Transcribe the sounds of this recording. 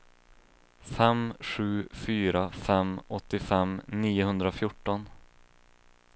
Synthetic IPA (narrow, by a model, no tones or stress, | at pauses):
fɛmɧʉ̟ːfyːɾafɛmɔt̪ːɪfɛmniːʊhɵnd̪ɾafjʊʈːɔn